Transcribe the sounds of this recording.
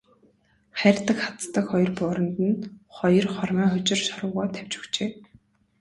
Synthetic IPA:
χæɾʲɪ̆t̪ə̆kχḁt͡st̪ə̆kχɔjɞ̆rpʊːɾə̆nt̪ə̆nχɔjɞ̆rχɔrmiːχʊt͡ɕɪ̆rʃɔɾʊːʁaːt̪ʰæw̥t͡ɕɵ̥kt͡ɕeː

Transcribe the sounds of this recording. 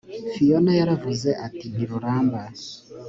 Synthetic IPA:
fijɔnajaɾavuzɛʔatiniɾuɾaːmba

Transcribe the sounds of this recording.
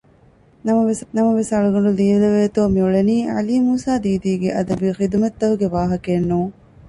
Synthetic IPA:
nɐmɐʋenɐmɐʋesɐɭuɡɐɳɖuliːʋilɐʋeːt̪oːmiuɭeniːɐ̰liːmuːsaːd̪iːd̪iːɡeʔɐd̪ɐbixid̪umɐt̪ːɐɦuɡeʋaːɦɐkenːuː

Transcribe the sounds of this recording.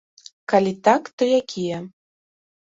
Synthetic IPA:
kalʲit̪akt̪ɨjakʲʰijə

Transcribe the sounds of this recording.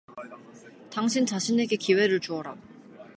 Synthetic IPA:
taŋɕʰint͡ɕaɕʰine̞ɡe̞kiwe̞ɾɯɭt͡ɕuʌɾa

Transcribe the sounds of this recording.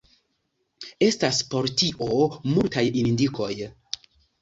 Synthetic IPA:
e̞staspo̞ɾtiʔo̞multajinndikʰo̞j

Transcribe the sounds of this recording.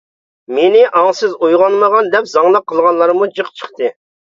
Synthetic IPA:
menɪʔɑŋsɨzujʁɑnməʁɑnd̪ɛpzɑŋlˠəqʰːəlˠʁɑnlˠɑɾmud͡ʒəqt͡ʃʰə̥χt̪ɨ

